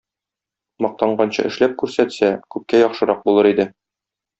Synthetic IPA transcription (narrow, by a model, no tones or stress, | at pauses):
mɒq̚t̪ɑɴɢɑnɕɤ̰ʔɘ̆ʃlæp̚kʉɾsæt̪sækʉp̚kæjɒχʃɤ̆ɾɑq̚bulˠɤɾid̪ɘ